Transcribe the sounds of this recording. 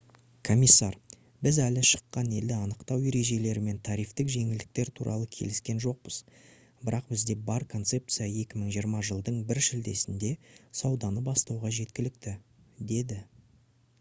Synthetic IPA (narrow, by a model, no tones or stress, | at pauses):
kʰo̞mʲijsːɑɾ | bɪzælɪʃə̥qːɑne̞ld̪ɪɑnəqt̪ɑwe̞ɾe̞ʒe̞le̞ɾɪme̞nt̪ʰɑɾijft̪ɪkʒe̞ŋɪld̪ɪk̚t̪e̞ɾt̪ʰuɾʔɑ̰lˠəkʲʰe̞̰lɪskʲe̞nʒo̞q̚pəz̥ | bɪɾɑq̚bɪzd̪e̞bɑɾkʰo̞nt̪se̞p̚t̪sɨjaje̞kʲɪməɴʒijəɾmɑʒəlˠd̪əɴbɪɾʃɪld̪e̞sɪnd̪e̞sɑwd̪ɑnəbɑst̪ɑwʁɑʒe̞t̪̚kʲɪlɪk̚t̪ɪd̪e̞d̪ɪ